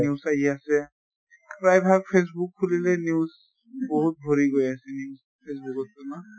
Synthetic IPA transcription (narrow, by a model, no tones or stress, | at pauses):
niusaɦiasɛ | pɹajbʱaɡ̚pʰes̬bukʰːulilɛniuz | boɦut̚bʱoɹiɡojasɛnius | pʰesbukɔs̚ɔna